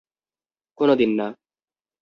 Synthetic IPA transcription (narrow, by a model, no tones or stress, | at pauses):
kʊnɔd̪ɪnːaː